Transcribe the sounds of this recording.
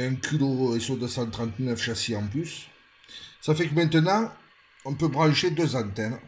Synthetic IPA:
ɛ̃kʰʲyloesyʁd̪øsɑ̃t̪χɑ̃nt̪nœfʃaseɑ̃plysː | afɛkəmɛ̃nt̪ənɑ̃ | ɔ̃pøbʁɑ̃ʃed̪øzɑ̃nt̪ɛn

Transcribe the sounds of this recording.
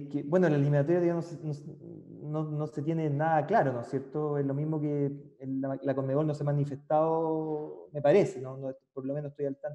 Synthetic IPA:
kebwenolaliminat̪oɾjaðeanosenos | nonoset̪jenenaðaklaɾonosjeɾt̪oelo̞miɦmokeelalakomeolnosemanife̞ht̪ao | mepaɾesenonopoɾlomenost̪ojalt̪an

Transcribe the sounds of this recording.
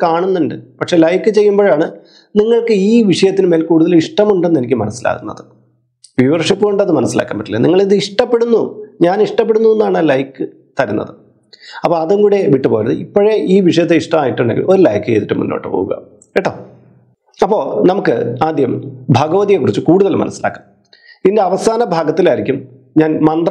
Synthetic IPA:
kaːɳunːeɳɖɨpɐkʂe̞lɐjkːɨt͡ɕe̞jːumboːɻaːɳɨ | niŋːɐɭkɨiːʋiʂɐjɐt̪ːinɨme̞ːlkuːɽuðɐliʂʈɐmuɳɖenːe̞nikʲːɨmɐnɐsːila̰ːkunːɐ̰ðɨ | ʋiʋɐrʂɐpːɨɣoɳɖɐðɨmɐnɐsːila̰ːkːa̰mbɐʈːilːɐ̰niŋːɐɭiðɨiʂʈɐpːeɽunːuɲaːniʂʈɐpːe̞ɽunːuðenːaːɳalɐjkːɨ | t̪ɐɾunːɐ̰ðɨ | ɐpːoɐðuŋɡuːɽe̞ʋiʈːɨpo̞ːjnɐðɨipːoɻe̞ʔiːʋiʂɐjɐt̪ːeiʂʈɐmaːjiʈːuɳɖeŋɡilʔo̞ɾlɐjkːɨḛːðiʈːɨmṵnːo̰ːʈːɨpo̰ːɣṵɣɐ̰ | eʈːo | ɐpːo̞ːnɐmukːɨ̰aːd̪ʱjɐmbʱɐɡɐʋɐðijekurit͡ɕːukuːɽuðɐlmɐ̰nɐ̰sːila̰ːkːam | indeɐʋɐsaːnɐbʱaːɡɐt̪ːilaːiɾikʲːum | ɲaːnmɐnd̪r

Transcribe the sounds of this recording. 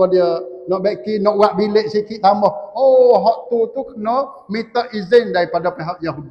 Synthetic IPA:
ɔdiənɔʔbɛʔkinɔʔwaʔbileʔsikiʔt̪amɔhoɦɔʔt̪ut̪ukənɔ | mit̪əʔizɪndaɾipadapeɦak̚jaɦudi

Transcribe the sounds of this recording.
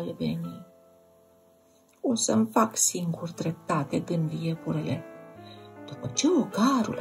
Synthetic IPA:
lvḛni | o̞səmfaksiŋɡurd̪ɾe̞p̚t̪at̪e̞ɡɨnd̪jepuɾile̞ | d̪̥upət͡ʃe̞oɡaɾṵl

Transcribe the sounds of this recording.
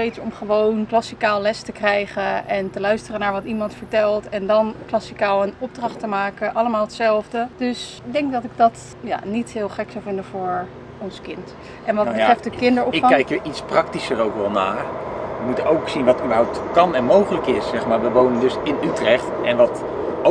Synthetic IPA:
tejtsɔmχəʋownklɑsikaːlˠlɛstəkrɛjχəɛntəlœɥstərənaːɹʋɑtimɑntfəɹtɛlˠtɛndɑnklɑsikaːlˠənɔb̚drɑχtəmaːkəʔɑləmaːlˠətsɛlˠvdəd̥ɵs | dɛŋkdɑtɪɡ̚dɑt | ja̰ːnitɦɪːlˠχɛksɑwvɪndəvʊːɹ | ɔnskɪnt | ɛnʋɑtbətrɛftdəkɪndəɹɔɪkkɛjkjəʔitsprɑk̚tisərowkʋɛlˠna̰ːʋəmutəowksinʋɑtybəɹɦawp̚tkɑnɛnmowχələkɪssɛχmaːɹʋəʋownəndɵsɪnytrɛχt | ɛnʋɑt | o

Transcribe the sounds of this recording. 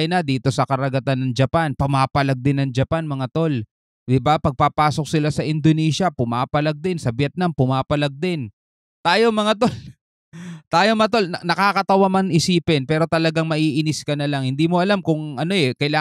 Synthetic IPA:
nɐd̪iːt̪o̞sɐkɐɾɐɡɐt̪anːɐŋd͡ʒɐpanpɐmaːpɐlɐɡ̚d̪ɪnːɐŋd͡ʒɐpanmɐŋat̪o̞l | d̪ɪbapɐɡ̚papaːso̞k̚sɪlasɐʔɪnd̪onɛːsɐpʊmaːpɐlaɡ̚d̪ɪnsɐbjɛt̪̚nampʊmaːpɐlɐɡ̚d̪ɪn | t̪aːjo̞mɐŋat̪ol | t̪aːjo̞mɐt̪̬o̞lnɐnɐkakɐt̪ɐwamanɪsiːpɛnpɛːɾo̞t̪ɐlɐɡaŋmɐʔiːʔɪnɪskɐnɐlaŋhɪnd̪iːmo̞ʔɐlamkʊŋʔɐno̞ɛkɐjlaː

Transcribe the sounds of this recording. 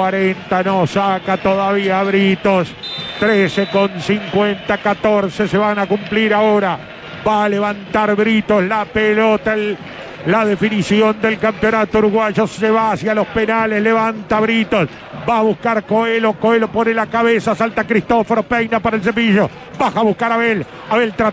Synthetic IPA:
waɾent̪anosakat̪oðaβiaβɾit̪ost̪ɾesekonsiŋkwent̪akat̪oɾseseβanakumpliɾaoɾa | βaleβant̪aɾβɾit̪oslapelot̪aː | aðe̞finisjo̞nd̪elkampjo̞nat̪ouɾuɣwaʒoseβaːsjalo̞hpenalehleβant̪aβɾit̪os | baːβuhkaɾkoelokoelopo̞nelakaβesasalt̪akɾist̪ofoɾopejnapaɾaels̬epiʒo | baxaβuhkaɾaβel | aβelt̪ɾa

